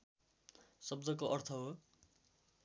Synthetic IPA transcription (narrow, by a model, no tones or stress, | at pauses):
sʌb̚d͡zʌkoʔʌrt̪ʰʌɦo